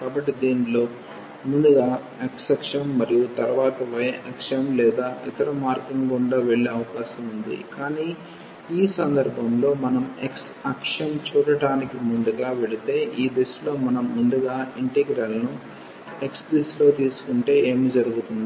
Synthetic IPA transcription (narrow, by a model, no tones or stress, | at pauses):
kaːbɐʈːid̪iːnilo̞ː | mund̪uɡaː | eksɐkʂɐmːɐɾijut̪ɐɾɐʋaːt̪ɐʋɐjʔɐkʂɐɐmlɛːd̪aːʔit̪ɐɾɐmaːɾkiŋɡuɳɖaːʋe̞ɭːeɐʋɐkaːʃɐmund̪ḭkaːniː | iːsɐnd̪ɐɾbʱɐmlo̞ːmɐnɐmḛks | ɐkʂɐmt͡ʃuːɽɐɽaːnikimund̪uɡaːʋe̞ɭit̪e̞ːʔiːd̪islo̞ːmɐnɐmːund̪uɡaːiɳʈeɡɾalɐnu | e̞ksdislo̞ːt̪iːsu̥kuɳʈe̞ːe̞ːmid͡ʒɐɾuɡut̪und̪i